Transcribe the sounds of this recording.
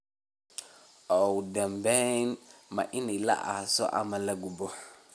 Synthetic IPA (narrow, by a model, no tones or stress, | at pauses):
ʔɔwd̪ɐmbɛjnmɐ̰ʔɪnɛjlɐ̰ʔa̰ːsɔ̰ʔɐ̰mɐlɐɡʊbɔ